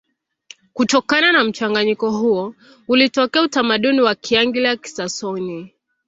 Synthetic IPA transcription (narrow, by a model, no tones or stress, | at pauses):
kutɔkananam̩t͡ʃaŋɡaɲikɔɦuɔ | ulitɔkɛautamaɗuniwakʰiaŋɡilaki̥sasɔni